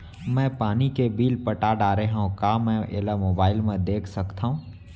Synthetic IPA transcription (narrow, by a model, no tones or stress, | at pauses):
mɛ̃ːpaːnikebiːlpɐʈaːɖaːɾeɦõkaːmɛ̃ʔɪ̰lamoːbaːɪlmẽd̪eːkʰsɐkt̪aɦũː